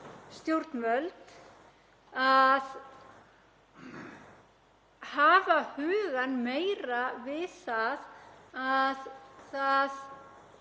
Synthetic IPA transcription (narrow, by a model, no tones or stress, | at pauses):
st̪jowɾt̪nmœlt̪ | að | haːvahʏːɣanmeːjɾavɪθaðaðθað